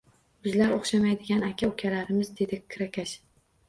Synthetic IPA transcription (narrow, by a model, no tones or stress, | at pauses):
bʊzlaɾoχʃamajd̪ɪɡʲanakʲʰaokʲʰalaɾɪmɪzd̪e̞d̪ɪkʰːɾakʲʰaʃ